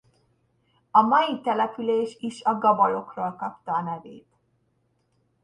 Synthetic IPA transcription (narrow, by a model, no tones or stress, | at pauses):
ɒmɒjit̪ɛlɛpyleːʃiʃɒɡɒbɒlo̞kroːlkɒpt̪ɒːnɛveːt̪